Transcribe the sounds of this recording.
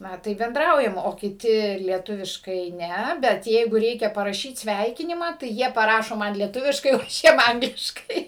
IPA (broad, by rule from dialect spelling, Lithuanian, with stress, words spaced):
ˈnɐ ˈtɐɪp bʲɛnˈdrɐʊjɛm oː kʲɪˈtʲɪ lʲiɛˈtʊʋʲɪʃkɐɪ ˈnʲɛ ˈbʲɛt ˈjɛɪɡʊ ˈrʲɛɪkʲɛ pɐrɐˈʃʲiːt ˈsʲʋʲɛɪkʲɪnʲɪmɑː tɐɪ ˈjiɛ pɐˈrɑːʃoː ˈmɐn lʲiɛˈtʊʋʲɪʃkɐɪ oː ˈɐʃ ˈjiɛm ˈɐŋɡlʲɪʃkɐɪ